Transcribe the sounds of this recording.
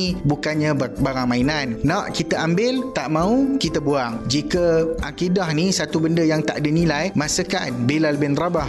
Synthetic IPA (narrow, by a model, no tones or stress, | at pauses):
bukanɲãbaɾaŋmãinanːãʔkit̪əambɪlt̪aʔmãukit̪əbuaŋd͡ʒikəʔakidahnisat̪ubəndəjaŋt̪a̰ʔadənilajmãsəkanbelalbɪnrabah